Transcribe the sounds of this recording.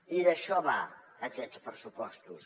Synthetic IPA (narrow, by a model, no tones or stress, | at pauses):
iðəʃɔβa | əkɛtspɾəsupɔst̪us